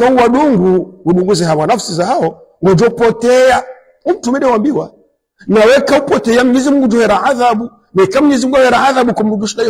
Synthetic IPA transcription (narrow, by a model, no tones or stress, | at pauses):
kauwaɗuŋɡuwuɗuŋɡuzɛɦawanafsizahaɔ | wad͡ʒɔpɔtɛa | um̩tumɛɗɛwambiwa | nawɛkaupɔtɛamuɲɛzimuɡud͡ʒɔɛɾaaðaɓu | mɛikamuɲɛzimuɡuawɛɾaaðaɓukam̩ɗuŋɡuʃiɗa